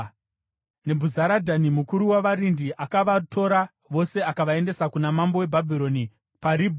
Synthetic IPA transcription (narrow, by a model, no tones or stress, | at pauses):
ne̞bʱuzaɾadʱanimukuɾuwaʋaɾindiʔakaʋatʰo̞ɾa | ʋo̞se̞akaʋae̞nde̞sakunamambo̞we̞bʱabʱiɾo̞ni | paɾibʱ